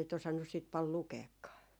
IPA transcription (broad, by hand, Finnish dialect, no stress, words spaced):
sit osɑnːus siːt pɑl lukeːkːɑː